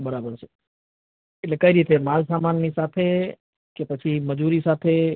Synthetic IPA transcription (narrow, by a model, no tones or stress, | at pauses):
bəɾaːbəɾt͡ʃʰe̥ | ɪtlekəiɾiːt̪ʰemaːlsaːmaːnːisaːt̪ʰe | kepət͡ʃʰiməd͡ʒuɾisaːt̪ʰe